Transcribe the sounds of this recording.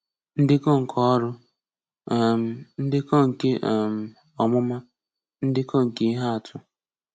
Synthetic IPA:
n̩˦dɪ˦ko˦ŋ̩˨kʰɔ˦ɾʊ˦˨ | m̩˨n̩˦dɪ˦ko˦ŋ̩˨ke˦ʔm̩˨ | ɔ˨mʊ˦ma˦ | n̩˦dɪ˦ko˦˨ŋ̩˨ki˦i˦ɦa˦a˨tʰʊ˨

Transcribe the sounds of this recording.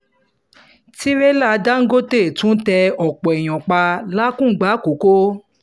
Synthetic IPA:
ti˦ɾɛ˦la˦˧da˦ŋ̩˦ɡo˦te˦˨tũ˨˦tɛ˧ɔ˨k͡pɔ˨ɛ˨j̃ɔ̃˨k͡pa˧la˦kũ˦˨ɡ͡ba˨˦ko˨˦ko˦

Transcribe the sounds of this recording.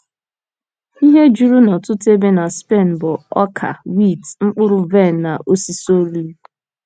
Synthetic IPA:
i˦ɦe˦d͡ʒu˦ɾu˦nɔ˨tʊ˦te˦be˦na˨spe˦˨n̩˨bʊ˨ɔ˦kʰa̰˨wi˦˨tŋ͡m̩˦k͡pʊ˦ɾʊ˦ve˦˨n̩˨na˨ʔo˦si˦so˦li˦

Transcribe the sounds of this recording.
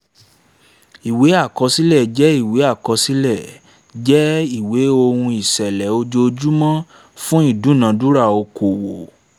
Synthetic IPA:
i˨we˨˦a˦˨kɔ˨˧si˦lɛ˦˨d͡ʒɛ˦i˦˨we˨˦a˦˨kɔ˧si˦lɛ˦˨ | d͡ʒɛ˦i˦˨we˨˦o˧hũ˧i˨sɛ˨lɛ˨˦o˧d͡ʒo˧d͡ʒu˦mã˦ | fũ˦i˦˨dũ˨˦˨nã˧du˦ɾa˦˨o˧kʰo˨wo˨

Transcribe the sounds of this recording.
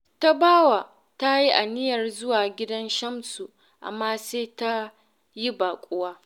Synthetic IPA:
ta˦baː˦waː˨ | ta˦ji˦ʔa˨nɪ˦jɐ˨rzʊ˦waː˨ɡʲɪ˦dɐ˦nʃɐ˦msu˨ | ʔa̰˨mːaː˦seː˦ta˦ | ji˦baː˨kʷʼʊ˦waː˦

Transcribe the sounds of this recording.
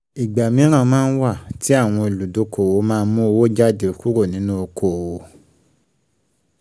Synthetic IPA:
i˨ɡ͡ba˨mĩ˨˦ɾ̃ã˦˨˧mãː˦n̩˦wa˦˨ti˨˦a˦˨w̃ɔ̃˧e˨lu˨do˨˧kʰo˨wo˧˦mãː˦˧n̩˦mũ˦o˧wo˦d͡ʒa˦de˦˨ku˦ɾo˦˨nĩ˨˦nũ˦o˧kʰo˦˨wo˨˦

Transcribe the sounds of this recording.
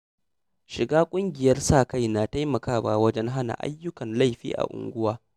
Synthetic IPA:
ʃɪ˨ɡaː˦kʷʼʊ˦ŋɡʲɪ˨jɐ˦rsaː˦˨ka˦˨jna˨ta˦jmɐ˨kaː˦baː˨wɐ˦d͡ʒɛ˦ŋɦa˦na̰˨ʔa̰˦jːʊ˦kɐ˨nla˦˨ɸḭː˦ʔa̰˨ʔʊ̰˨ŋɡʷʊ˦waː˦

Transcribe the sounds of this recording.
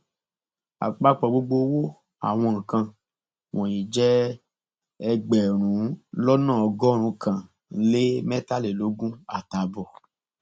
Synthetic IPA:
a̰˨k͡pa˧k͡pɔ˨ɡ͡bo˧ɡ͡bo˧˦wo˦ | a̰˨w̃ɔ̃˧ŋ̩˨kã˧ | wɔ̃˨jĩ˨d͡ʒɛ˦ | ɛ˧ɡ͡bɛ˨ɾ̃ũ˨˦lɔ˦nã˦˨ɔ˧ɡɔ˦ɾ̃ũ˧kʰã˨ | le˦mɛ˦ta˦le˨lo˨˦ɡũ˦a˦˨ta˨bɔ˨

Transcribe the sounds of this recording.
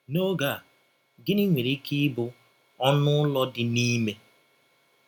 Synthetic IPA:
no˦ɡa˦˨ | ɡɪ˦ni˦ŋʷe˨ɾi˦ki˦bʊ˦ | ɔ˦nʊ˦lɔ˦dɪ˨ni˦me˦

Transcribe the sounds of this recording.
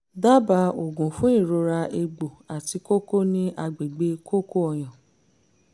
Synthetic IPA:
da˦ba˧o˨ɡũ˨fũ˦ĩ˦˨ɾo˧ɾa˧e˧ɡ͡bo˨a˨ti˧ko˦ko˦nĩ˦ʔa˧ɡ͡be˨ɡ͡be˧˦kʰo˦ko˦ɔ˧j̃ã˨

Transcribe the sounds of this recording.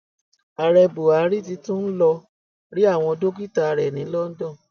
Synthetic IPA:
a˨ɾɛ˧bo˨a˨˦ɾi˦˨ti˧tũ˦n̩˦lɔ˧ | ɾi˦a˦˨w̃ɔ̃˧do˦ɡi˦˨ta˧ɾɛ˨nĩ˨˦lɔ˦n̩˦dɔ̃˦˨

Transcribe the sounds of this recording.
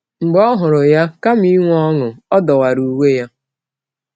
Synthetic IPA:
ŋ͡m̩˨ɡ͡bɔ˦ɦʊ˨ɾʊ˨ja˦ka˦mi˦ŋʷ˦ɔ˦ŋʊ˨ɔ˦dɔ˨wa˨ɾu˨we˦ja˦

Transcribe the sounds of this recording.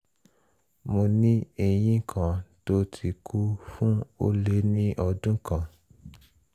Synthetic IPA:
mo˧nĩ˦e˧j̃ĩ˦kʰã˨to˦tʰi˨kʰu˦fũ˦o̰˦le˧˦nĩ˦ʔɔ˧dũ˦kã˨

